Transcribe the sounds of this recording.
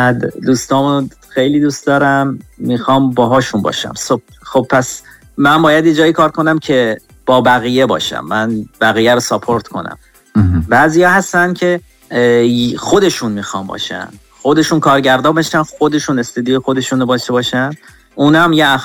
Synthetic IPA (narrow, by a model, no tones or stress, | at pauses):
æd̪d̪uːst̪ɒːmun | xe̞jliːd̪uːst̪d̪ɒːɾæmːixɒːmbɒːɦɒːʃunbɒ̰ːʃæ̰msob̚ | xob̚pːʰæs | mænbɒːjæd̪jed͡ʒɒːjikʰɒːɾkʰo̞næmcʰe̞ | b̥ɒːbæɣije̞bɒ̰ːʃæ̰mːænbæɣijæɾosɑpʰo̞ɾt̪kʰo̞̰næ̰m | bæːzijɒːhæst̪ænd̪cʰe̞ | xo̞d̪e̞ʃunmiːxɒːmbɒ̰ːʃæ̰nd̪̥ | xo̞d̪e̞ʃuːnkʰɒːɾɟæɾd̪ɒːbeʃænxo̞d̪e̞ʃuːne̞st̪ed̪iojexo̞d̪e̞ʃunobɒːʃt̪ebɒːʃænd̪ | ʔuːnæmjeæ